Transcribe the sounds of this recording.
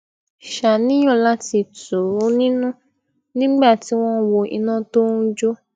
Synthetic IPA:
ʃa˨nĩ˦j̃ɔ̃˦˨la˦ti˧tu˨˦nĩ˦nũ˦ | nĩ˦ɡ͡ba˦˨ti˦w̃ɔ̃˦wo˧ḭ˧nã˦to˦n̩˦d͡ʒo˦

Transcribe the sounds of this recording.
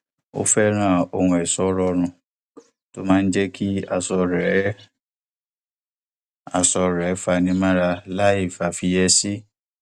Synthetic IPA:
o̰˦fɛ˦ɾ̃ãː˦˨o˧hũ˧ɛ˨sɔ˨˦ɾɔ˧ɾ̃ũ˧ | to˦mãː˦˧n̩˦d͡ʒɛ˦kʰi˦a˧˨sɔ˧ɾɛ˨˦ | a˧sɔ˧ɾɛ˨˦fa˧nĩ˧mã˦ɾa˧la˦i˦˨fa˨fi˧jɛ˧si˦

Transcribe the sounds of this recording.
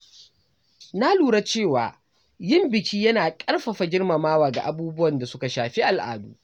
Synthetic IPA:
na˦luː˨ɽa˦t͡ʃeː˦˨waː˨ | jɪ˦˨mbɪ˨kʲʰiː˦jɐ˦naː˨kʼɐ˦rɸɐ˨ɸa˨d͡ʒɪ˦rmɐ˨maː˦waː˨ɡa̰˨ʔa˨buː˦bʊ˦wɐ˨nda˨sʊ˦ka˨ʃaː˨ɸi˦ʔa˨lʔa̰ː˨dṵː˦

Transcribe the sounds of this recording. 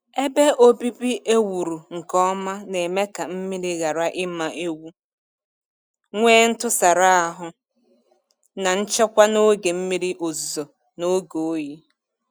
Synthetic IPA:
e˦be˦ʔo˦bi˦bi˦ʔe˦wu˨ɾu˨ŋ̩˨kɔ˦ma˦ne˨me˦ka˨m̩˦mi˦ɾi˦ɣa˨ɾa˦ʔɪ˦ma˨ʔe˦wu˦ | ŋʷeː˦n̩˦tʊ˦sa˨ɾa˦a˨ɦʊ˦ | na˨n̩˦t͡ʃɔ˦kʷa˦no˦ɡe˨m̩˦mi˦ɾi˦ʔo˨zo˨ | no˦ɡo˨˦ji˦

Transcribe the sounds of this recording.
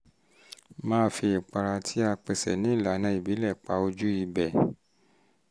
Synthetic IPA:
mãː˦fi˧i˨k͡pa˧ɾa˧tʰi˦a˧k͡pɛ˧sɛ̰˨nĩ˨˦i˦˨la˨˦nã˧˦i˦˨bi˨˦lɛ˦˨k͡pa˧˦o˧d͡ʒu˦i˧bɛ˨

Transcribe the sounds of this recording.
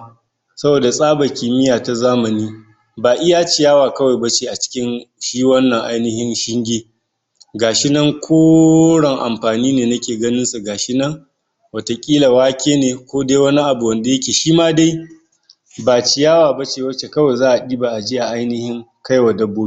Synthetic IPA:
sɐ˦boː˨da˨sʼaː˦ba˨kʲiː˨mɪ˦jaː˨ta˨zaː˦mɐ˨niː˦ | baː˨ʔɪ˦jaː˦t͡ʃi˨jaː˦waː˨kɐ˦wa˨jba˦t͡ʃeː˦ʔa˨t͡ʃɪ̥˦kʲɪ˦nʃiː˦wɐ˦nːɐ˨ŋʔa̰˦jnɪ˦hɪ˦nʃɪ˦ŋɡʲiː˦ | ɡaː˨ʃɪ˦nɐ˦ŋkʷʰoː˦ɽɐ˨ŋʔa̰˨mɸaː˨niː˦neː˨nɐ˦kʲeː˨ɡɐ˦nɪ˦nsu˨ɡaː˨ʃɪ˦nɐ˦ŋ | wɐ˨to˨kʲʼiː˦la˨waː˦kʲeː˦neː˨kʷoː˦de˦jwɐ˦ni˦ʔa˨bu˨wɐ˨nda˨jɐ˦kʲeː˨ʃiː˦maː˦da˦j | baː˨t͡ʃɪ˦jaː˦waː˨ba˦t͡ʃeː˨wɐ˦t͡ʃe˨kɐ˦wa˨jzaː˦ʔa˨ɗiː˦ba˨ʔa˨d͡ʒɪ˦ja˨ʔa˦jnɪ˦hɪ˦ŋka˦jwa˨dɐ˦bːoː˦i˦

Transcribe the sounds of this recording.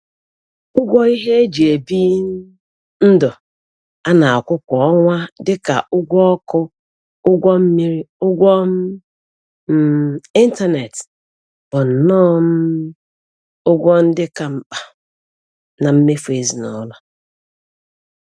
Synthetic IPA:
ʊ˦ɡʷɔ˦i˦ɦe˦e˦d͡ʒi˨e˨bi˦ | n̩˦dʊ˨ | a˦na˨a˨kʷʊ˦kʷɔ˨ɔ˦ŋʷa˦dɪ˦ka̰˨ʔʊ˦ɡʷɔ˦ɔ˦kʊ˦ | ʊ˦ɡʷɔ˦m̩˦mi˦ɾi˦ʊ˦ɡʷɔ˦m̩˦ | i˦n˦ta˦ne˨t | b̥ʊ˨n̩˨nɔ˦m̩˦ | ʊ˦ɡʷɔ˦n̩˦dɪ˦ka˨m̩˦k͡pa˨ | na˨m̩˦me˦fe˨zi˨nɔ˨˦la˦

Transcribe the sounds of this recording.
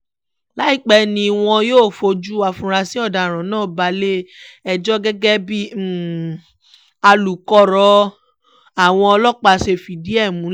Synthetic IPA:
la˨˦i˦k͡pɛ˦nĩ˧w̃ɔ̃˧joː˦˨fo˧d͡ʒu˦wa˧fũ˧ɾa˧si˦ɔ˦˨da˨ɾ̃ã˨˦nãː˦˨ba˧le˦ɛ˨d͡ʒɔ˦ɡɛ˦ɡɛ˦bi˦˨ | a˧lu˨kɔ˧ɾɔ˧ | a˨w̃ɔ̃˧ɔ˧lɔ˦k͡pa˧ʃe˧˨fi˨di˨˦ɛ˦˨mũ˨˦

